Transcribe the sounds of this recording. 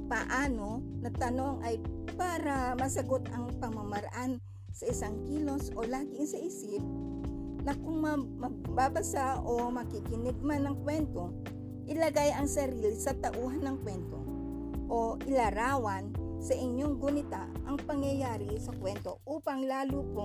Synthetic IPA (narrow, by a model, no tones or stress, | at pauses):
pɐʔaːno̞nɐt̪ɐno̞ŋʔɐjpaːɾɐmɐsɐɡo̞t̪ɐŋpɐŋmɐmɐɾɐʔan | sɐʔɪsaŋkiːlo̞sʔolaːɡɪŋsɐʔɪsɪp̚ | nɐkʊŋmɐmɐbabɐsaʔomɐkɪkɪnɪɡ̚manɐŋkwɛnt̪o̞ | ʔɪlɐɡajɐŋsɐɾiːlɪsɐt̪ɐʔuːɦɐnːɐŋkwɛnt̪o̞ | ʔoʔɪlɐɾaːwɐnsɐʔɪɲjoŋɡʊnɪt̪a | ʔɐŋpɐŋjɐjaːɾɪsɐkwɛnt̪o̞ʔuːpɐŋlaːlupo